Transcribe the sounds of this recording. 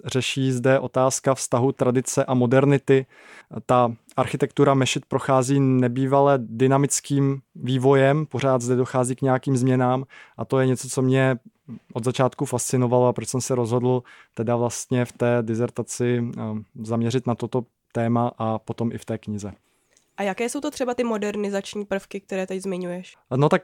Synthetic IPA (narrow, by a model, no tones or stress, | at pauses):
r̥ɛʃiːzdɛʔo̞t̪aːskafst̪aɦut̪ɾadɪt͡sɛʔamo̞dɛɾnɪt̪ɪ | t̪aʔaɾxɪt̪ɛkt̪uɾamɛʃɪt̪̚pɾo̞xaːziːnɛbiːvalɛdɪnamɪt͡skiːmviːvo̞jɛmpoɾ̝aːd̪zdɛdo̞xaːziːkɲɛjakiːmzmɲɛnaːmʔat̪o̞jɛɲɛt͡so̞t͡so̞mɲɛʔod̪zat͡ʃaːt̪kufast͡sɪnovaloapɾot͡ʃsɛmsɛɾo̞zɦo̞dl̩ˠt̪ɛdavlast̪ɲɛft̪ɛːdɪzɛɾt̪at͡sɪ | zamɲɛɾɪt̪nat̪ot̪o̞ | t̪ɛːmaʔapo̞t̪o̞mʔɪft̪ɛːkɲɪzɛ | ʔajakɛːso̞wt̪ot̪r̝̥ɛbat̪ɪmodɛɾnɪzat͡ʃɲiːpr̩fkɪk̚t̪ɛɾɛːt̪ɛczmɪɲujɛʃno̞t̪ak̚